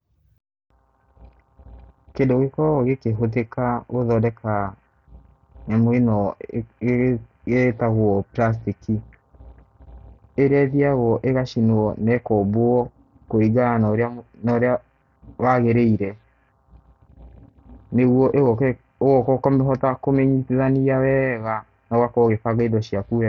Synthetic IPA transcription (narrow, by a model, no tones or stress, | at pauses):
kedoɣekɔɣekeɦot̬ekaɣoðɔdɛka | namwenɔ | ɣetaɣwɔplas̬tiki | eɾɛðiaɣɔʔeɣaʃinwɔnɛkɔboɔ | koiɡanɔɾeanɔɾea | waɣeɾeiɾɛ | neɣwɔʔeɣɔk | ɣɔkɔkɔmɛɦɔtakomɛɲiteðaniawɛɣa | naɣwakɔɣefaɣaidɔʃiaku